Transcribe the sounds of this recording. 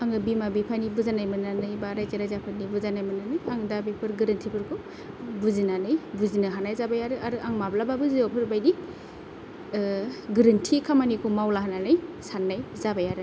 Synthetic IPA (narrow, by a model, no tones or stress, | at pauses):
aŋɯbimabipʰanibuzanajmɯnanɯjbaɾajkeɾajzapʰɯnibuzanajmɯnanɯjaŋdabipʰɯɾɡɯɾɯntʰipʰɯɾkʰɯ | buzinanɯjbuzinɯɦanajzabajaɾɯʔaɾɯʔaŋmablababɯziapʰɯɾbajdi | ɡɯɾɯntʰikʰamanikʰumawlaɦananɯjsanːajzabajaɾɯ